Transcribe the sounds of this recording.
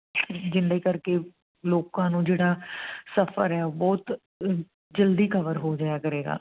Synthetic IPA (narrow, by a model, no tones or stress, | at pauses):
pʰɪd͡ʒɪnd̪aiːkəɾkeː | loːkãːnũːd͡ʒeːɽaːsəpʰə̰ɾɛːbɔːt̪ | d͡ʒəld̪iːkəʋəɾɦoːd͡ʒaːjaːkəɾeːɡa̰ː